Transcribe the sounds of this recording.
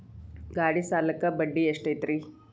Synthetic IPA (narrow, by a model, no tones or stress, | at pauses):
ɡaːɽisaːlɐkɐbɐɖːieʂʈɐjt̪ɾi